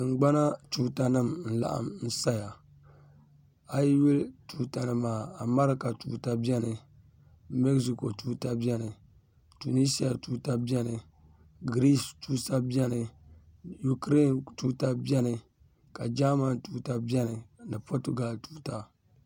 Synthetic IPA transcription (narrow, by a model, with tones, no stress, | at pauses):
ɨ˨ŋ͡m̩˨ɡ͡ba˦na˦tuː˦ta˦nɨ˦˨mn̩˨la̰˦ʔa̰˨mn̩˦sa˦ja˨ | a˦ji˦wi˦ltu˦ta˨nɨ˨maː˨a˨ma˦ɾɨ˦ka˨tu˨ta˦bɛ˦nɨ˨ | mɛ˦ksi˨ko˨tuː˦ta˦bɛ˦nɨ˨ | tu˨ni˦si˦a˨tu˦ta˦bɛ˦nɨ˨ | ɡɾi˦stuː˦sa˦bɛ˦nɨ˨ | ju˨kɾe˦˨ntuː˦ta˦bɛ˦nɨ˨ | ka˨d͡ʒa˦ma˨ntuː˦ta˦bjɛ˦nɨ˨nɨ˨po˦tu˦ɡa˨ltuː˦ta˦